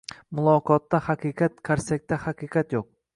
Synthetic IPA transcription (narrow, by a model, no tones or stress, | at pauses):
mʊlˠɒqʰɒt̪ːahaqʰɨqʰɑt̪̚kʲʰaɾsak̚ʲt̪ʰahɑqʰɨqʰɑt̪joq̚